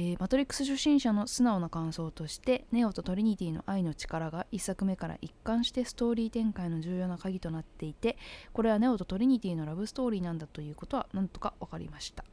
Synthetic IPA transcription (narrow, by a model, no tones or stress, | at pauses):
emat̪o̞ɾʲikːɯ̥sɨɕoɕːĩɰ̃ɕano̞sɨnao̞nokãɰ̃so̞ːt̪o̞ɕi̥t̪e̞ne̞o̞t̪o̞t̪o̞ɾʲiɲ̟it̪ʲiːno̞̰ʔaino̞t͡ɕi̥kaɾaɡaʔisːakɯ̟me̞kaɾa̰ʔikːãɰ̃ɕi̥t̪e̞sɨ̥t̪o̞ːɾʲiːt̪ẽ̞ŋkaino̞ʑɨːjo̞ːnakaɡʲit̪o̞nat̪ːe̞it̪e̞ko̞ɾe̞βane̞o̞t̪o̞t̪o̞ɾʲiɲ̟it̪ʲiːno̞ɾabɯ̟sɨ̥t̪o̞ːɾʲiːnãnd̪at̪o̞jɯ̟ːko̞t̪o̞βa̰nãnt̪o̞̥kaakaɾʲḭmaɕi̥t̪ḁ